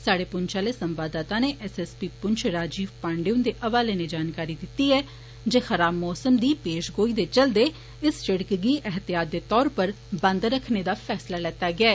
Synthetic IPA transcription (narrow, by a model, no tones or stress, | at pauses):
saːɽeːpʊɲt͡ʃaːleːsəmbaːd̪aːt̪aːneːʔɛsɛspiːpʊɲt͡ʃʰɾaːd͡ʒiːʋpãːɳɖeʊ̃nd̪eːʔəʋaːleːned͡ʒaːnkaːɾiːd̪ɪt̪ːiːɛː | d͡ʒeːxəɾaːbmɔːsəmd̪iːpeːʃɡoːiːd̪eːt͡ʃəld̪eː | ɪst͡ʃɪɽkɡiːʔɛɦt̪jaːd̪ːeːt̪ɔːɾpəɾ | bə̃nd̪ɾəkʰneːd̪aːpʰɛːslaːlɛːt̪aːɡɪɛː